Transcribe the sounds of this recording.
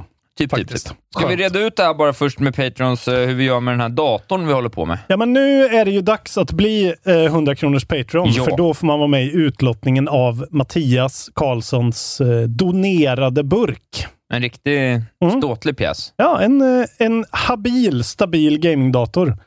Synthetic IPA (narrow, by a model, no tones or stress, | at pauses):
t̪ʰːfat̪ɪst̪skavɪɾeːd̪aʉ̟ːt̪̚d̪ɛhæːɾbɑːɾafœʂʈmɛpʰɛjt̪ɾɪɔnshɵɾvɪjœːɾmɛd̪ɛnæːɖɑːt̪ʊɳvɪhɔlːəɾpʰɔ̰mɛ̰jɑːmɛnːʉ̟ːæɖɛjɵd̪aksat̪bliːɦɵnd̪ɾakʰɾuːnəʂpʰɛɪt̪ɾɪɔnffœɖɔfoːɾmanvɑːɾmɛɪʉ̟ːt̪lɔt̪nɪŋənavmat̪ʰiːaskʰɑːɭsɔnsd̪ʊneːɾad̪əbɵɾkʔɛ̰nɾɪkt̪ɪmst̪oːt̪lɪɡ̚pʰjɛ̰ːsjɑːʔɛnɛnhabiːlst̪abiːlɡɛjmɪŋd̪ɑːt̪ʊɾ